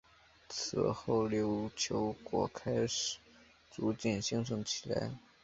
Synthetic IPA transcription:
t͡s̩ʰ˨˩xo˥˩ʊljo˧˥ʊt͡ɕʰjo˧˥ʊkwɔ̰˨˩kʰa˥ɪʂ̩˨˩ | t͡su˧˥t͡ɕjɛ˥˩nɕi˧˥ŋʈ͡ʂʰɤ˧˥ŋt͡ɕʰi̥˨˩la̰˧˥ɪ

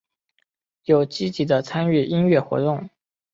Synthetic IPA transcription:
jo˨˩ʊt͡ɕi˥t͡ɕi˧˥d̪ə˧t͡sʰa˥ny˥˩i˥nɥɛ˥˩xwɔ̰˧˥t̪ʊ˥˩ŋ

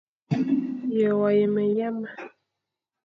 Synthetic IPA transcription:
jə˨wa˨jə˨mə˨ja˦ma˨

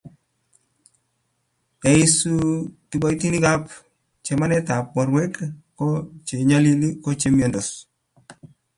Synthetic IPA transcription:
ɛ˨i˦su˦ti˨ɓɔ˦i˦ti˦ni˦ɡa˦p̚ | t͡ʃe˨ma˦nɛ˦ta˨p̚wɔ˨ɾwe˦kː | ɔ˦t͡ʃe˨ɲa˦li˦li˦kɔ˦t͡ʃe˨˦mjɔ˨ndɔ˨s

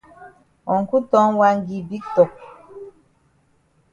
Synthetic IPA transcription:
ɔ˨ŋ̩˨ku˦tɔ˦ŋwa˦ŋɡi˨bi˦k̚tɔ˨k̚

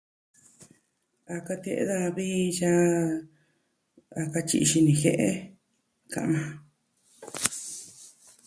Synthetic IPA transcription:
a˧ka˧t̪e˧ʔḛ˧˦ða˧βi˦t͡ʃa˦ | a˧ka˧t͡ʃḭ˧ʃi˧nĩ˧xe˧ʔe˦ | kã̰˧ʔmã˧

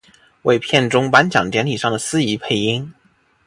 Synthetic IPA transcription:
we˥˧ɪpʰjɛ˥˩nʈ͡ʂʊ˥ŋpa˧˥nt͡ɕjɑ̰˨˩ŋt͡ɕ̪jɛ˧˥nlʰi˨˩ʂɑ˥˩ŋd̪ə˩sɹ̩˥i˧˥pʰe˥˩ɪi˥ŋ

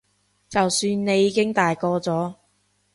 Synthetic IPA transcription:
t͡sɐ˨wsyː˧nne˨˧jːiː˨˧kɪ˥ŋt̪aː˨jkɔː˧t͡sɔː˨˥

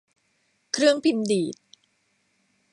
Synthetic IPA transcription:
kʰɾɯ˥˩əŋpʰi˧ndiː˨˩t̪̚

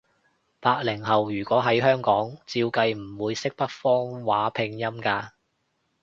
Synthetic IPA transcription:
paː˧k̚lɪ˨˩ŋɦɐ˨wjyː˨˩kʷɔː˨˥ɦɐ˨˥jɦœː˥ŋkɔː˨˥ŋt͡siː˧wkɐ˧jm̩˨˩wuː˨˧jsɪ˥k̚pɐ˥t̚fɔː˥ŋwaː˨˥pʰɪ˧ŋjɐ˥mkaː˧

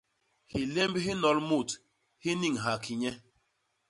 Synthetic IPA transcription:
hi˨le˦m˦bi˦ɦi˦nɔ˨˦lmu˦˨t | hi˦ni˦˨ŋ̩˨ɦa˨kʰi˨ɲe˦

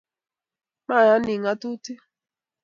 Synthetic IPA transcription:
ma˦˨ja˦ni˨ŋa˦tu˦ti˦

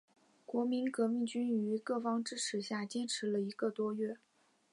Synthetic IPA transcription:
kwɔ˧˥mi˧˥nkɤ˧˥mi˥˩ŋt͡ɕy˥n˨y˧˥kɤ˥˩fɑ˥ŋʈ͡ʂɻ̩˥ʈ͡ʂʰɻ̩˨˩ɕja˥˩t͡ɕɛ˥ʈ͡ʂʰɻ̩˧˥lə˧i˧˥ɡə˧t̪wɔ˥ɥɛ˥˩

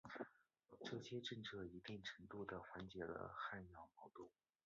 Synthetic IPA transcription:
ʈ͡ʂɤ˥˩ɕjɛ˥ʈ͡ʂɤ˥˧nt͡sʰɤ˥˩i˧˥t̪i˥˩ŋʈ͡ʂʰɤ˧˥ŋt̪u˥˩d̪ə˩xwa˧˥nt͡ɕjɛ˧˥lə̰˧xa˥˧njɑ˥˩ʊmɑ˧˥ʊt̪u˥˩

